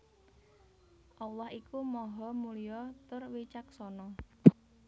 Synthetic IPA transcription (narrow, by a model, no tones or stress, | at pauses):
ʔalahikumɔɦɔmulijɔt̪ʊrwit͡ʃak̚sɔnɔ